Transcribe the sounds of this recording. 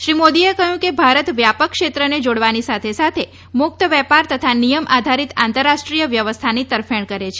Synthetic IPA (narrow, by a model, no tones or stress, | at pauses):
ʃɾimod̪iekəɦjũkebʱaɾət̪ʋjapəkːʃet̪ɾəned͡ʒoɽʋanisat̪ʰesat̪ʰe | mʊk̚t̪əʋɛpaɾt̪ət̪ʰanijəmʔad̪ʱaɾit̪ant̪əɾːaʃʈɾijəʋjəʋəst̪ʰanit̪əɾfeɳ̃kəɾet͡ʃʰe